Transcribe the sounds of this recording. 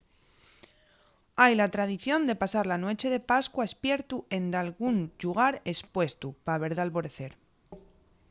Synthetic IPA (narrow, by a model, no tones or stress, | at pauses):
ajlat̪ɾað̞iθjo̞nd̪e̞pasaɾlanwo̞t͡ʃe̞ðe̞paskwaespje̞ɾt̪uʔe̞nd̪alɣunʎuɣ̞aɾe̞spwe̞st̪upaβ̞e̞ɾðalβo̞ɾe̞θe̞ɾ